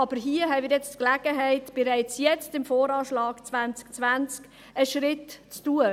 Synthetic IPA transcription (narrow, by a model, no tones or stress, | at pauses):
ɑb̥əɾɦiəɦɛɪmɪɾjɛt͡stklæɡ̥əɦɛɪtb̥ɛɾaɪt͡sjɛt͡stɪmfoːɾɑːʃlɑːɡ̥t͡svant͡skt͡svant͡sk | əʃɾɪtt͡stuːə